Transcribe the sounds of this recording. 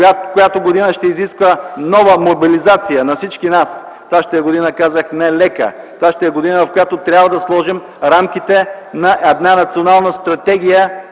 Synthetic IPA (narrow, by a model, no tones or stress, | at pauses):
akojat̪oɡod̪inəʃt̪ɛiziskvənɔvəmobilizat̪sijənɐfsit͡ʃkinas | t̪vaʃt̪ɛɛɡod̪inəkazəxnɛlɛkə̰ | t̪vaʃt̪ɛɛɡod̪inəvɐfkojat̪ot̪ɾʲabvəd̪ɐslˠɔʒim | ɾamk̟it̪ɛ | nɐʔɛd̪nanɐt̪sionalˠnəst̪ɾɐt̪ɛɡ̟ʲijə